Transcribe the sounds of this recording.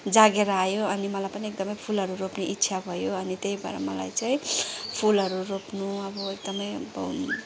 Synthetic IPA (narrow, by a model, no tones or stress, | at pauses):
d͡zaɡeɾʌajoʌnimʌlajpʌniek̚d̪ʌmʌjpʰulɦʌɾuɾopneʔitːsʰabʱʌjoʌnit̪ejbʱʌ̰ɾa̰mʌla̰jt͡saĩpʰulɦʌɾuropnuʌbʌek̚d̪ʌmʌjʌbʌ